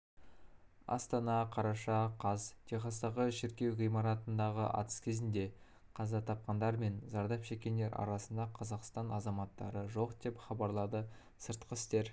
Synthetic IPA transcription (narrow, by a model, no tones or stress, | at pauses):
ɑ̰st̪ɑnɑqʰɑɾɑʃɑqʰɑzt̪ʰeχɑst̪ɑʁəʃɪɾkʲe̞wʁijmɑɾɑt̪ənd̪ɑʁəʔɑ̰t̪ə̥skʲʰe̞zɪnd̪e̞ | qʰɑzɑt̪ʰɑp̚qɑnd̪ɑɾme̞nzɑɾd̪ɑpʃe̞kʲːe̞nd̪e̞ɾɑ̰ɾɑsənd̪ɑqʰɑzɑqst̪ɑnɑzɑmɑt̪ːɑɾəʒo̞qd̪̥e̞pχɑbɑɾlˠɑd̪ə | səɾt̪qəɪst̪e̞ɾ